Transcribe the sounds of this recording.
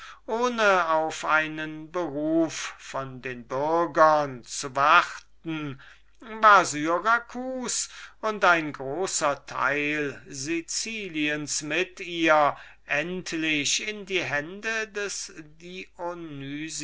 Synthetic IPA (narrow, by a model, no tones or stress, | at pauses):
ʔoːnəaʊfʔaɪnənbəʁuːfːɔndeːnbʏɐɡɐnt͡suvaχtn̩ | vaːɐzyʁakʰuːsʊntaɪnɡʁoːsɐtʰa̰ɪlzit͡siːliənsmɪtiːɐ | ʔɛntʰlɪʃɪndiːɦɛndədɛsdionyz